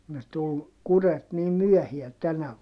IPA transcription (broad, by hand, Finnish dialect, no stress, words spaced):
ne tul kuret niːm myœˑhiæ tænæ